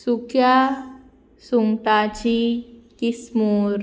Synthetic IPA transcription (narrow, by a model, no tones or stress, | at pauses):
sukja | suŋʈ̪at͡ɕikismuɾ